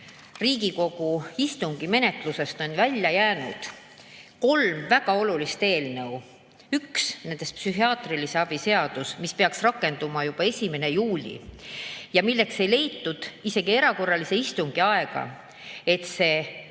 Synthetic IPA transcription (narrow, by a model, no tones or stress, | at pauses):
riːɡ̥iko̞ɡ̥uist̪uŋɡ̥ime̞ne̞t̪ˑluse̞st̪o̞nvælʲjɑjæːnud̪̥ | ko̞lmvæɡ̥ɑo̞lulist̪e̞ːlnɤw | yksne̞nd̪̥est̪psyɦiɑːt̪rilise̞ɑb̥ise̞ɑd̪̥usmispe̞ɑksrɑkːe̞nd̪̥umɑjub̥ɑe̞sʲime̞ne̞juːlʲḭ | jɑmilːekse̞jle̞jt̪ːud̪̥ise̞ɡ̥ie̞ɾɑko̞rːɑlise̞ist̪uŋɡ̥iɑe̞ɡ̥ɑ̰ | e̞t̪se̞